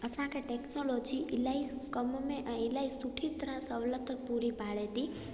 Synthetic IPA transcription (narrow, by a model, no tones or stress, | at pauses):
əsãkeʈeknoloːd͡ʒiʔɪlaikəmmẽʔə̃ɪlaːisuʈʰit̪əɾãsəʋlət̪ɾpuɾipaːɭet̪i